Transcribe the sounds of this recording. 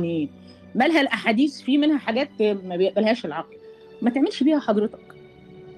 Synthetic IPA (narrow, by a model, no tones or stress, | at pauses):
ni | mælɦælʔaħaːd̪iːsfiːmenhæħaɡæːt̪mæbejeʔbælhæːʃelʕɑql | mæt̪eʕmelʃbiːhæħɑd̪ˤɾet̪ɑ̥k